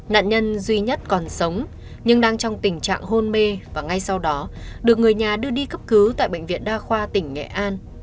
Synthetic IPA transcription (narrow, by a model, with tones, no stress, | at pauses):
na̰ː˧˨nɲə˧nzwi˧ɲə˦˥t̚kɔ˨˩nsə˨˦wŋ͡m | ɲɨ˧ŋɗaː˧ŋt͡ɕɔ˧wŋ͡mt̪ï˨˩ŋ̟t͡ɕa̰ː˧˨ŋɦo˧nme˧vaː˨˩ŋa˧jsa˧wɗɔ˨˦ɗɨ˨˩ək̚ŋɨ˨˩əjɲaː˨˩ɗɨ˧əɗi˧kə˦˥p̚kɨ˨˦t̪a̰ː˧˨jɓə̰˧˨jŋ̟vḭ˧˨ənɗaː˧xwaː˧t̪ï˧˩ŋ̟ːɛ̰˧˨ʔaː˧n